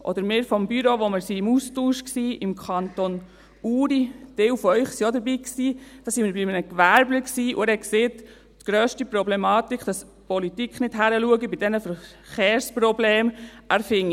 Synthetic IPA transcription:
ʔɔ̰d̪əɾmɪːɾfɔmbyɾoʋɔməɾsiɪmustuːʃksiːʔɪmkʰɑnt̪on | uːɾitewufɔœʏχsiod̪əɾbiːksiːd̥ɑːsiməɾbimənəkʋæɾbləksiːʔʊ̰æɾhɛkseːtː | ɡ̥ɾœːʃtipɾɔblemɑːt̪ikd̥ɑs | pɔlitikχnɪtɦæɾəluəɡibɪd̥ɛnəfəɾ | χeːɾspɾɔbleːmʔæɾfɪŋːə

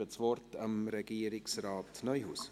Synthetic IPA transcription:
ət͡svɔrt̪əmɾɛɡiːɾɪksraːt̪nœjhuːs

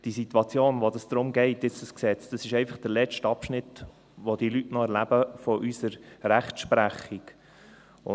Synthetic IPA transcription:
d̥isit̪wɑt͡sjoːnʋod̪ɑsd̪̥ɾʊmɡɛɪtɪsdəsksɛt͡sd̥ɑsɪʃɛɪfɑχd̥əɾlɛt͡ʃtɑpʃnɪt̪ | ʋod̪ilytnɔɛɾlæb̥əfɔʔysəɾɾæχtʃpɾæχik | ʊ

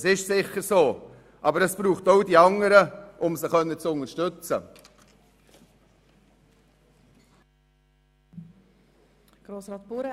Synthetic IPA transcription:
sɪʃsɪχəɾsoː | ʔɑbəɾɛsb̥ɾuːχtoʊdiɑŋəɾəʔʊmsɪχœnːət͡sʊnəɾʃtʏt͡sə̰ | ɡ̥ɾoːsɾɑːt̪b̥uɾə

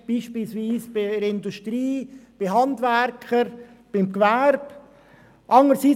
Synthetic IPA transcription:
b̥iːʃpilsviːsb̥ɪɾɪnduʃtɾiːb̥ɪɦɑndvæɾkχəɾ | b̥ɪmkvæɾb̥ | ʔɑŋəɾsi

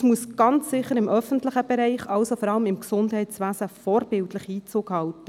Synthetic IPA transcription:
muəsɡ̥ɑnt͡sːɪχəɾɪmʔœfən̩tləχəb̥ɛɾɛɪχɑlsofɔɾɑləmɪmksʊndhɛɪtt͡sʋæːsəfɔːɾbɪltləχiːt͡suːkhɑltə

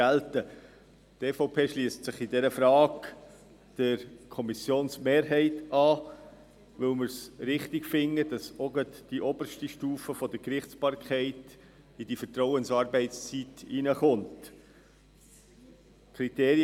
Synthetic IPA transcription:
æltə | teːfɔʊpʰeːʃliəstsɪχidɛɾəfɾɑːk | d̥əɾkʰɔmisjoːnsmeːɾɦɛɪtɑː | ʋɪlmɪɾsɾɪχt̪ɪɡfɪŋːəd̥ɑsɔɡət̪d̥iʔɔbəɾʃtiʃtuːfəfɔd̪əɾkɾɪχt͡sbɑːɾkχɛɪt | idifəɾtɾɔʊənsɑːɾbɛɪtst͡sitinəχʊnt | kʰɾiteːɾj

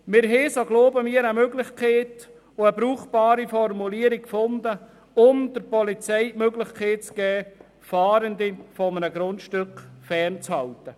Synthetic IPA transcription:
mɪːɾɦeːsoɡloːbəmiːəɾəmøɡlɪχkʰeːt | ʊəbɾuːχb̥ɑːɾifɔrmuliːəɾikkfʊnd̪ə | ʊmd̥əɾpɔlit͡sɛɪʔmøɡlɪχkʰeːt̚t͡sɡ̥ɛː | fɑːɾəndifɔmənəɡɾʊndʃtøkχfɛrnt͡shɑltə

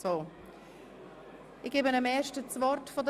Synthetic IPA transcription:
oː | ɪɡ̥eːbənəmɛːʃtət͡svɔɾtfodə

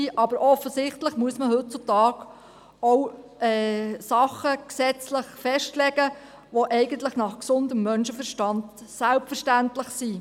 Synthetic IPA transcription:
iʔɑbəɾʔɔfəsɪχtləχmuəsməhɵt̚t͡sutɑːɡ̥ | owɛːsɑχəksɛt͡sləχfɛʃtlɛɡə | ʋoʔɛɪɡəntləχnɑχksʊndəmːœnʃəfəɾʃtɑndsælpfəɾʃtæntləχsiː

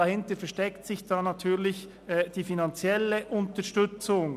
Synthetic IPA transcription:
ɑhɪntəfɛʁʃtɛktsɪçd̥ɑːnɑtʰyːʁlɪçː | d̥iːfinɑnt͡sjɛləʔʊntəʁʃtʏt͡sʊŋ

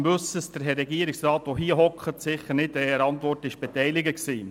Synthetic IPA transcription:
ʋɵsəsd̥əɾɦɛrɛɡiəɾɪksɾɑːt̪ʋoɦiəɦɔkχət̪sɪχəɾnɪtɛəɾɑntʋɔrtɪʃb̥etɛjlɪɡəksiː

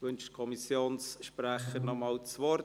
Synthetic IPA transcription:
ʋɵnʃtkʰɔmisjoːnsʃpræχənɔmɑːlt͡sʋɔr

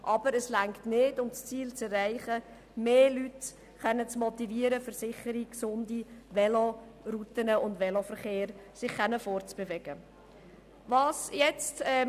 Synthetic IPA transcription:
ʔɑb̥əɾəslæŋktnɪdʊmst͡siːlt͡sɛrːæɪχə | meːlyt | kɛnːət͡smɔtiviːəɾəfəɾsɪχəɾiksʊndiʋɛlo | ɾutənəʊndʋɛlofəɾχeːɾsɪχkɛnːəfoːɾt͡sb̥evɛɡ̥ə | vɑːsjɛt͡stɛ

